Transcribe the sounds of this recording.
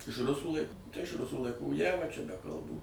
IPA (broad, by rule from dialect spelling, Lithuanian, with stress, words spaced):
ɪʃ ˈrʊsuː ˈlˠɐɪk tɐɪ ɪʃ ˈrʊsuː lˠɐɪˈkuː ˈjæːʋɐ t͡ʃʲɛ bʲɛ kɐlˠˈbuː